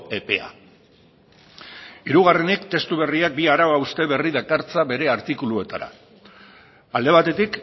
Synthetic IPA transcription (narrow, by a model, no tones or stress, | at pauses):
e̞pe̞a̰ | iɾuɣ̞are̞nikt̪e̞st̪uβ̞e̞riak̚biaɾaβaust̪e̞βe̞riðakaɾt͡saβe̞ɾe̞aɾt̪ikulue̞t̪a̰ɾa̰ | ald̪e̞β̞at̪e̞t̪ik